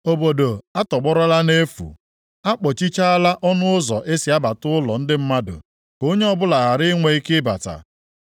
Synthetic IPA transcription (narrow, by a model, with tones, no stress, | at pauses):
o˨bo˨do˨a˦tɔ˨ɡ͡bɔ˦ɾɔ˦la˦ne˦fṵ˨ | a˦k͡pɔ˨t͡ʃi˦t͡ʃa˦a˦la˦ʔɔ˦nʊ˦ʊ˦zɔ˨ʔe˦si˨a˦ba˨tʊ˦ʊ˦lɔ˨n̩˦dɪ˦m̩˦ma˦dʊ̰˨ | ko˦ɲe˦ɔ˦bʊ˦la˨ɣa˨ɾɪ˦ŋʷe˨i˦kɪ˦ba̰˨ta̰˨